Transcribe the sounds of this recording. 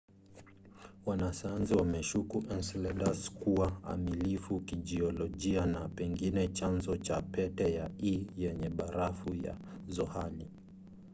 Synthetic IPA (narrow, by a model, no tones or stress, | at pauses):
wanasajanziwamɛʃukuʔɛnslɛdaskuaa̰milifukiʄiɔlɔʄianapɛŋɡinɛt͡ʃanzɔt͡ʃapɛtɛjaijɛɲɛɓaɾafuja̰zɔhali